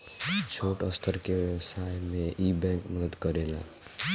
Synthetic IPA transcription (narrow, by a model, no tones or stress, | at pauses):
t͡ʃʰoʈəst̪ʰəɾkeʋəwsajmẽʔibɛ̃ŋkməd̪əd̪kəɾela̰